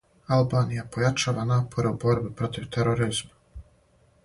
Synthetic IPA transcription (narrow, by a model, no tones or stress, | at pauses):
alˠbaːnijapojat͡ʃaːʋanaːpʰo̞ɾeubo̞ɾbipɾo̞t̪iʋt̪eɾoɾiz̥ma